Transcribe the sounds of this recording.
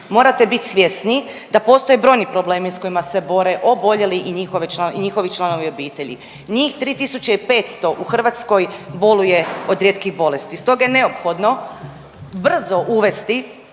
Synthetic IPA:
mo̞ːɾat̪e̞bit̪ʲsʋjesni | d̪apo̞ːst̪o̞jebɾo̞jnipɾo̞ble̞ːmisko̞jimase̞bo̞ɾe̞ʔo̞bo̞ʎe̞liʔiɲixo̞ʋit͡ʃaiɲixo̞ʋit͡ʃlˠano̞ʋio̞biːt̪e̞ʎḭ | ɲiːxt̪ɾiːt̪isut͡ʃeipe̞ːt̪st̪o̞ʔuxr̩ʋat̪sko̞jbo̞luje̞o̞d̪ɾjeːt̪kiɣbo̞le̞st̪ist̪o̞ɡajene̞o̞pxo̞d̪no̞ | br̩zo̞ʔuʋe̞st̪i

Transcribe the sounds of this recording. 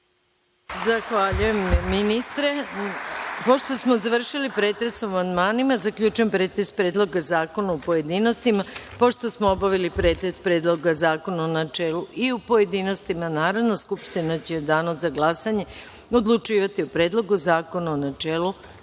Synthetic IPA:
zaxʋaːʎuje̞mːinist̪ɾe̞ | po̞ʃt̪o̞smo̞zaʋr̩ʃilipɾeːt̪ɾesoamand̪maːnimazakʎʲuːt͡ʃujempɾeːt̪es̚pɾeːd̪lˠo̞ɡazaːko̞naupoje̞d̪ino̞st̪imapo̞ʃt̪o̞smoobaʋilipɾe̞ːt̪est̪̚pɾeːd̪lˠo̞ɡazaːko̞naonat͡ʃeːluʔiupo̞je̞d̪iːno̞st̪imanaːɾodnaskupʃt̪inat͡ɕed̪aːnozaɡlˠasaɲe̞ | o̞d̪lˠut͡ʃiːʋat̪iupɾe̞ːd̪lˠo̞ɡuzaːko̞naonat͡ʃeːlu

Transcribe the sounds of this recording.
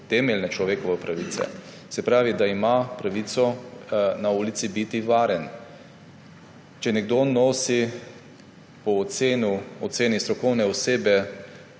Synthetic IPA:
t̪ɛmɛlnɛt͡ʃlɔʋeːkɔʋɛpɾaʋiːt̪sɛ̰ | sɛpɾaːʋid̪aimapɾaʋit̪sɔ | nauːlit̪sibit̪iʋaːɾɛn | t͡ʃɛnɛɡd̪onoːsi | pɔːseːnuɔt̪seːnist̪ɾɔkɔwnɛɔseːbɛ

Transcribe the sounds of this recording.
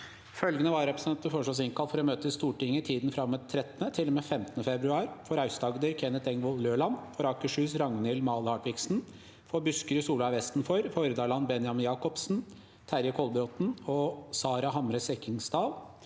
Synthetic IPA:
fœlɡənəʋɑɾɾɛpɾəsɛnt̪əfɔʂɔs̬ɪŋkɑlfɔɾɔmøːt̪əst̪uːʈɪŋːət̪ʰiːd̪nfɾɑmːət̪ʰːɾɛt̪ːənət̪ʰɪlɔmeːfɛmt̪ənəfɛbɾʉɑːɾfɔɾɑʉsd̪ɑːɡəd̪əɾkʰɛnət̪ɛŋʋɔlløːɭɑnfɔɾɑːkəʂʉːsɾɑŋnɪlmɑːlhɑːʈʋɪksn̩ | fɔbʉskəɾəsuːləɑʋɛst̪n̩fɔɾfɔɾəd̪ɑːlɑnbɛnjɑmjɑːkɔpsn̩ | t̪ʰæɾjəkʰɔlbɾɔt̪n̩ɔsɑːɾɑɦɑmɾəsɛkɪŋsd̪ɑːl

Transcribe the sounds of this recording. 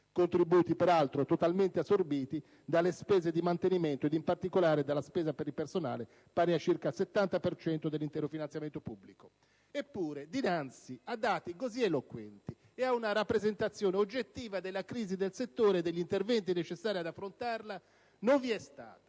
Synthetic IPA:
kont̪ɾibuːt̪ipeɾalt̪ɾot̪ot̪alment̪easːorbiːt̪i | d̪alːespɛːzed̪imant̪eniment̪oed̪impart̪ikolaːɾed̪alːaspɛːzapeɾilpersona̰ːle | paːɾiat͡ʃirkaset̪ːant̪apert͡ʃɛnt̪od̪elːint̪ɛːɾofinansjament̪opubːliko | epːuːɾed̪inant̪siad̪ːaːt̪ikozielokwɛnt̪i | eaunaɾapːɾezent̪at̪sːjoːneod͡ʒːet̪ːiːvad̪elːakɾiːzid̪elset̪ːoːɾeːd̪ːeʎːint̪ervɛnt̪inet͡ʃesːaːɾiad̪afːɾont̪arla | noɱviɛst̪a̰ːt̪ḁ

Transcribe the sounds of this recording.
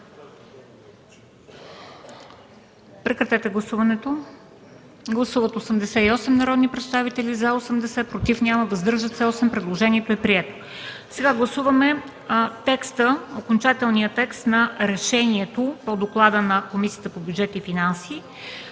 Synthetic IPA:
pɾɛkɾɐt̪ɛt̪ɛɡlˠɐsuvɐnɛt̪o | ɡlˠɐsuvət̪osəmd̪ɛsɛiɔsɛmnɐɾɔd̪nipɾɛt̪st̪avit̪ɛlʲizɐosəmd̪ɛsɛpɾot̪ifnʲjaməd̪ɐzd̪ɤɾʒət̪sɛɔsɛmpɾɛd̪lˠoʒɛniɛt̪oɛpɾiɛt̪o̥ | sɛɡaɡlˠɐsuvɐmɛ | t̪ɛkst̪əokont͡ʃat̪ɛlˠnijət̪ɛkst̪nɐɾɛʃɛniɛt̪opod̪oklˠad̪ənɐkomisijət̪əpobʲjudd͡ʒɛt̪ifinansiː

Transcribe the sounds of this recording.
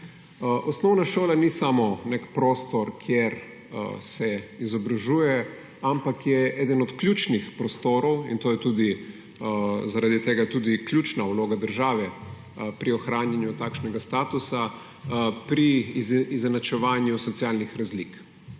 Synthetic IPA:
ʔɔsnɔwnaʃoːlanisamɔnekpɾoːst̪ɔɾkʰjeɾ | sɛizɔbɾaʒuːjɛ | ampakjɛɛːd̪ənɔt̪kljuːt͡ʃnixpɾɔst̪oːɾɔwint̪oːjɛt̪uːd̪i | zaɾad̪it̪eːɡat̪ud̪iklʲjuːt͡ʃnauloːɡad̪əɾʒaːʋɛ | pɾiɔxɾaːnjanjut̪aːkʃnɛɡast̪aːt̪usa | pɾiizɛnat͡ʃɛʋaːnjusɔt̪siaːlnixɾazlik

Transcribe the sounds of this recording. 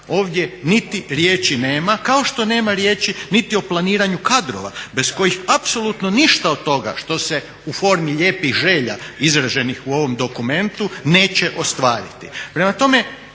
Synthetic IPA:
o̞ːʋd̪je̞nit̪iɾje̞ːt͡ʃine̞ːmakao̞ʃt̪o̞ne̞ːmaɾje̞ːt͡ʃinit̪io̞plˠaniːɾaɲukad̪ɾo̰ʋa̰be̞sko̞jixapso̞lut̪no̞niʃt̪aod̪̚t̪ːo̞ɡa̰ʃt̪o̞se̞ | ufo̞ːɾmiʎeːpixʒeːʎa̰izɾaʒe̞nixuo̞ʋo̞md̪o̞kume̞nt̪une̞ːt͡ʃeʔo̞st̪ʋaːɾḭt̪ḭpɾe̞mat̪o̞me̞

